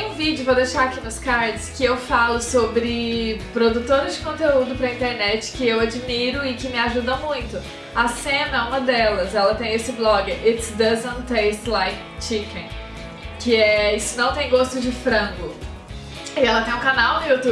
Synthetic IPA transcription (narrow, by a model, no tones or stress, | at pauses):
t̪ẽj̃ũvid͡ʒʊvod̪ejʃaɾakinʊskaɾd͡ʒɪskɪewfalʊsobɾɪpɾod̪ut̪oɾɪzd͡ʒɪkõnt̪eud̪ʊpɾɐĩnt̪eɾnɛt͡ʃɪ̥kɪewad͡ʒmiɾʊɪkɪmɪaʒud̪ɐmũj̃t̪ʊ | asẽnɐũmɐd̪ɛlɐzɛlɐt̪ẽj̃esɪblɔɡɪʔit̪d̪ɐzɐ̃nt̪ːejst̪lajk | t͡ʃikĩ | kɪɛisʊnɐ̃w̃t̪ẽj̃ɡost̪ʊd͡ʒɪfɾɐ̃ɡʊ | ɪɛlɐt̪ẽj̃ũkanawnʊjut̪u